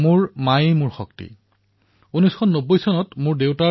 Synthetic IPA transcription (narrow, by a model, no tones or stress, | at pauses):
mʊɹmajimʊɹxɔk̚tḭ | unɔjskʰɔnːobːojsɔnɔtmʊɹdewta